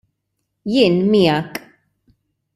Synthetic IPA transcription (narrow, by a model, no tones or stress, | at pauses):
jɪʔnmiakʼ